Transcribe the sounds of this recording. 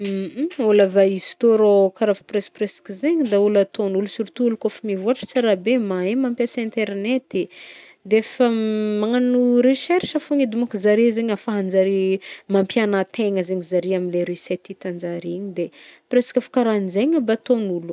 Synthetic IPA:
ulavaizi̥t̪oɾokaɾaviprespreskizeɲid̪aulat̪onulusuɾit̪uulukofamivuaʈ͡ʂə̥t͡siɾabemaemampjasɛ̃nt̪eɾnet̪e | d̪eefəmaŋanuɾeʃɛɾʃəfoŋid̪umakuzaɾezeɲafaɦand͡zaɾimampjanat̪eŋəzeɲizaɾiaminleɾisɛt̪it̪and͡ʒaɾiɲid̪epresi̥kʲafu̥kaɾand͡zeɲəbat̪onulu̥

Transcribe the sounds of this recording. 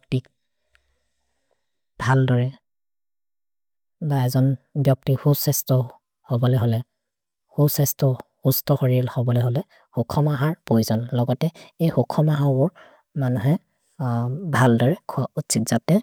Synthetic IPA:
bɔk̚tik̚ | bʱaldɔɹɛ | daɛzɔnbjɔk̚tikhubsɛstɔ | hobɔlɛɦolɛ | husɛstɔ | hustɔxɔɹilhobɔlɛɦolɛ | hokʰɔmaɦaɹpojzɔnlɔɡɔtɛejxokʰɔmaɦabɔɹ | manuɦɛ | bʱaldɔɹɛkʰautsitz̥atɛ

